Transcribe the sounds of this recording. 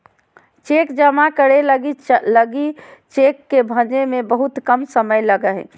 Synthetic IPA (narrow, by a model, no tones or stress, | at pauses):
t͡ʃekd͡ʒəmakəɽeləɡiləɡit͡ʃekːebʱəd͡ʒemẽbəɦut̪kəmsəməjləɡəɦɛ̰̃